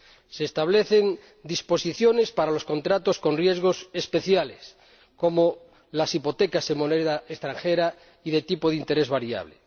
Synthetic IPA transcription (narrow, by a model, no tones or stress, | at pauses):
seːst̪aβle̞θe̞n | d̪ispo̞siθjo̞ne̞spaɾalo̞sko̞nt̪ɾat̪o̞sko̞nrje̞zɣ̞o̞se̞spe̞θjales | ko̞mo | lasipo̞t̪ekasemoneðaest̪ɾaŋxeɾa | iðe̞t̪ipoðint̪e̞ɾe̞zβaɾja̰βle